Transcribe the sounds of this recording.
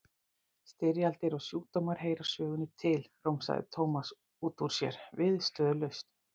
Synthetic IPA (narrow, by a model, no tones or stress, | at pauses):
st̪ɪɾjalt̪ɪɾawsjuːt̪owmaɾ̥ɦeːjɾḁsœːɣʏnʏt̪ʰɪlroːwmsa̰ɣðɪ̰t̪ʰowmas | uːt̪uɾ̥sjɛ̰ɾ̥vɪðst̪œːðʏlœɥst̪